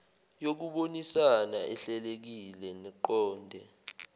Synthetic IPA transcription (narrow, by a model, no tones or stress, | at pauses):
jok̬uɓonisanaʔɛɬɛlek̬ilɛnɛǃɔːndʱɛ